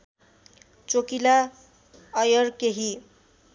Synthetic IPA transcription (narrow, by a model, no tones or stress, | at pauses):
t͡sokila | ʌjʌrkeɦi